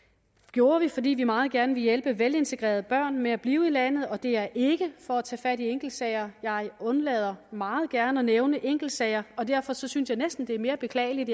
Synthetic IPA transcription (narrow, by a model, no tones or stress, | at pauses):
ɡ̥jo̝ːɐʋifɒ̽dḭːʋimɑ̈ːð̩ˠɡ̥æɐnəʋe̝jelb̥əʋele̝nt͡sʰe̝ɡ̥ʁḛːɐð̞ˠəb̥ɶɐ̰nmeæb̥liːʊilæn̰ð̩ˠɒ̽d̥e̝æɐʔe̝ɡ̥əfɒ̽æt͡sʰɛ̰ːfæɾ̥ieŋɡ̥l̩d̥sɛɪ̰ɐjɑ̈ɪɔ̽nlɛ̰ːð̞ˠɐmɑ̈ːð̞̩ˠɡ̥æɐnəɒneʊnəʔeŋ̰ɡ̥l̩d̥sɛɪɐɒ̽d̥æɐ̰fɒ̽sɒ̽synsjɑ̈ɪnesd̥n̩d̥e̝æɐme̝ːɐb̥e̝kʰlɛ̰ːɪlid̥